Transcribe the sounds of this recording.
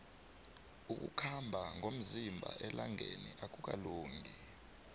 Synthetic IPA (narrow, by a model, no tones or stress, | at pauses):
uk̬ʼṵkʰambʱaŋʱom̩zimbʱa̰ʔɛlaŋeniʔak̬ʼuk̬ʼaloːŋʱi